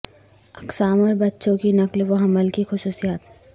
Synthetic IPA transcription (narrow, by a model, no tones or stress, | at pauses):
ɐksaːməɾbɐtːʃõkinɐklʋoɦɐməlkixʊsuːsijaːt̪